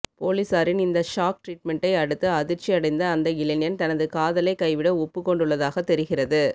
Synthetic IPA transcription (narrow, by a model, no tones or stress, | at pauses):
poːliːsaːɾɪnɪnd̪ɐʂaːk̚ʈɾiːʈ̚mɛɳʈɐɪɐɽɯt̪ːɯɐðɪɾt͡ʃːiɐɽɐɪnd̪ɐːnd̪ɐɪlɪnɪjɐnt̪ɐnɐðɯkaːðɐlɐɪkːɐɪʋɪɽɐɔpːɯkːɔɳɖɯɭːɐðaːɣɐt̪ːɛɾɯɣɪrɐðɯ